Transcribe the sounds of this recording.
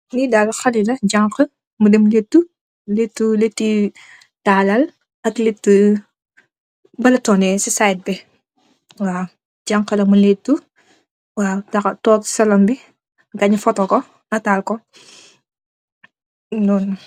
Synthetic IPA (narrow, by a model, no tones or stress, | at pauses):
nidaːlxɐlilɐɟaŋkə | mudɛmletːu | letːuletːi | taːlɐl | ɐkletːu | bɐlɐtɔːnɛsisajt̚bɛ | waː | ɟaŋqəlɐmuletːu | waːtɐtɔːtsɐlɐmbi | ɡaɲfɔtɔkɔ | nɐtaːlkɔ | dɔːn